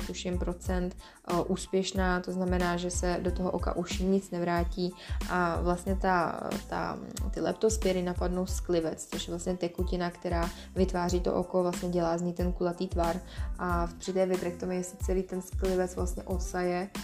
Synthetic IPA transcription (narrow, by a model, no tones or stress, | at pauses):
t̪uʃɪmpɾo̞t͡sɛnt̪ | ʔuːspjɛʃnaːt̪o̞znamɛnaːʒɛsɛdot̪oɦoʔoka̰ʔuʃɲɪt͡snɛvɾaːciːʔavlast̪ɲɛt̪at̪a̰t̪ɪlɛ̰pt̪ospɛɾɪnapadnowsklɪvɛt͡st͡soʃjɛvlast̪ɲɛt̪ɛkucɪnakt̪ɛɾaː | vɪt̪vaːriːt̪o̰ʔoko̞vlast̪ɲɛɟɛlaːzɲijt̪ɛnkulat̪iːt̪vaɾʔapr̥ɪt̪ɛːvɪbɾɛk̚t̪omujɛsɪt͡sɛliːt̪ɛnsklɪvɛt͡svlast̪ɲɛʔosajɛ